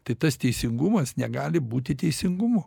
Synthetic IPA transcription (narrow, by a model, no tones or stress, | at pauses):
t̪ɐɪt̪ɐst̪ʲɛɪsʲɪŋɡʊmɐsnʲɛɡɑːlʲɪbuːt̪ʲɪt̪ʲɛɪsʲɪŋɡʊmʊ